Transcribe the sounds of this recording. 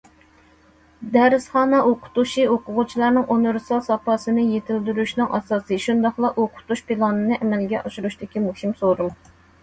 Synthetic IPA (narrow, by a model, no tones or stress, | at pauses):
d̪ɛɾɪsχɑːnɑʔoqʰʊ̥t̪uʃioqʰʊʁʊt͡ʃʰilˠɑɾnɨŋʔoneɾsɑlˠsɑpɑsɨnɨjet̪ʰɪld̪yɾyʃnɨŋʔɑ̰sɑːsɨʃund̪ɑχlˠɑʔoqʰʊ̥t̪uʃpilˠɑnɨnɨʔɛmɛlɡʲɛʔɑʃuɾuʃt̪ɪkʲimuhimsoɾum